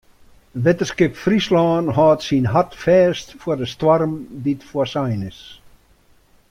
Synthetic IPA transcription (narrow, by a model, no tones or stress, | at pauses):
ʋetəskɪpfrislɔːnɦɔːtsinɦatfɛːstfɔdəstwɔrmditfɔəsajnɪs